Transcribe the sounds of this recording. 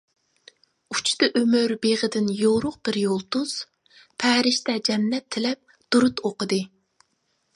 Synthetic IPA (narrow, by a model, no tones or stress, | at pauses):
ut͡ʃʰt̪ɨʔømøɾbeʁəd̪ɪnjoɾʊq̚b̥ɪɾjolˠt̪uz̥ | pʰɛːɾɪʃt̪ɛd͡ʒɛmːɛt̪ʰːɪlɛp̚ | d̪̥uɾut̪oqəd̪ɨ